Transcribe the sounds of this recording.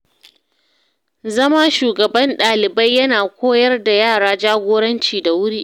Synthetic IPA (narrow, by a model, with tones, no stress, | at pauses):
zɐ˦ma˦ʃuː˨ɡɐ˨bɐ˦nɗaː˨lɪ˨bɐ˦jːɐ˦naː˨kʷoː˦jɐ˦rda˨jaː˦˨ɽaː˦d͡ʒaː˦ɡʷoː˦ɽɐ˦nt͡ʃiː˨da˨wʊ˦ɽiː˦ʔ